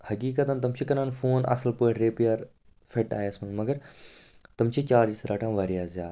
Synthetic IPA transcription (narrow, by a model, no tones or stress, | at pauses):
hɐkiːkɐt̪ãːnt̪ɐmt͡ʃʰikɐnaːnfoːnɐ̰səlpoːeʈʰɾeːpijaːɾ | fʰeʈa̰ːjesmɐnmɐɡəɾ | t̪ɐmt͡ʃʰit͡ʃaːɾd͡ʒisɾaːʈʰãːʋɐɾjaːzjaːd̪